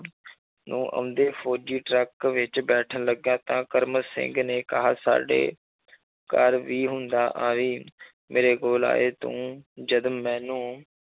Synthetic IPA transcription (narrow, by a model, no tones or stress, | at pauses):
nṵ̃ːʔə̰ʊnd̪eːfʰoːd͡ʒiːʈɾɛkʋɪt͡ʃbɛːʈʰənləɡjãːt̪ãːkəɾməsɪ̰̃ŋɡneːkəɦaːsa̰ːɖḛː | kəɾʋiːɦʊnd̪aːʔaːʋiː | mʔeːɾeːɡoːla̰ːeːt̪õ̰ːd͡ʒəd̪ːɛ̃ːnũː